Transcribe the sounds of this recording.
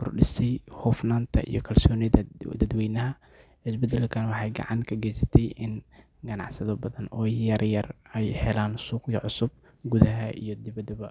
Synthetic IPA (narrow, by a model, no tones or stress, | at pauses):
kʰɔrɖɪst̪ʰɛjhɔːfnaːnt̪ʰɐʔḭjɔkʰɐlsɔːnɪðɐd̪ɐd̪wɛjnɐɦɐ | ʔɪsbɛd̪ɛlkʰaːnwɑħɑjɡɑ̰ʕɑŋkʰɐɡɛjsɐ̥t̪ʰɛjʔɪn | ɡɐnɑ̰ʕsɐðɔbɐðɐnɔːjɐrjɐrɛjhɛlaːnsuːqjɔʕʊsʊb̚ | ɡuðɐɦɐḭjɔd̪ɪβɐd̪ɐβɐ